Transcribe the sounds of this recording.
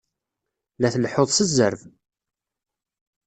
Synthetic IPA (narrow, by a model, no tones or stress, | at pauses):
læθlħoðˤsəzːəɾv